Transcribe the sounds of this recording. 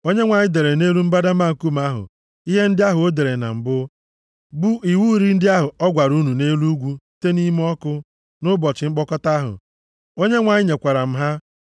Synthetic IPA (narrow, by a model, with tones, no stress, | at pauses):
o˦ɲe˦ŋʷa˨ɲɪ˦de˨ɾe˨ne˦ɾu˦m̩˦ba˦da˦ma˦˨ŋ̩˨ku˦m̩˨a˦ɦʊ̰˨ | i˦ɦe˦n̩˦dɪ˦a˦ɦʊ˨o˦de˨ɾe˨na̰˨m̩˨bʊ˦ | bu˦i˨wu˦ɾi˦n̩˦dɪ˦a˦ɦʊ˨ɔ˦ɡʷa˨ɾu˦nu˨ne˦lu˦ɡʷu˦ | te˦ni˦m˦ɔ˦kʊ˦ | nʊ˦bɔ˨t͡ʃɪ˨ŋ͡m̩˦k͡pɔ˦kɔ˦ta˦a˦ɦʊ̰˨ | o˦ɲe˦ŋʷa˨ɲɪ˦ɲe˨kʷa˨ɾa˨m̩˦ɦa˦